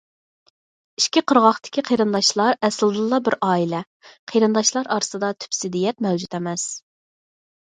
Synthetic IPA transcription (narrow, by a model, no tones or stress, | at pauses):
iʃkʲiqʰəɾʁɑχt̪ɪ̥kʲiqʰejɾɨnd̪ɑʃlˠɑɾɛsɨlˠd̪ɨlˠːɑbɪɾɑːilɛ | qʰeɾɨnd̪ɑʃlˠɑɾɑɾɨsɨd̪ɑt̪ʰy̥psɪd̪ijɛt̪̚mɛwd͡ʒut̪ʰɛmɛs